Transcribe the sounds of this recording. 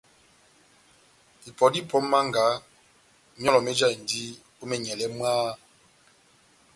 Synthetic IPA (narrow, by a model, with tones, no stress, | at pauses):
i˨pɔ˨di˦˨pʰɔ˨˦ma˦ŋɡa˨˦ | mjɔ˦lɔ˨mɛ˦d͡ʒa˦˨i˨n˨di˦ | o˦mɛ˨ɲɛ˨lɛ˦mwaː˦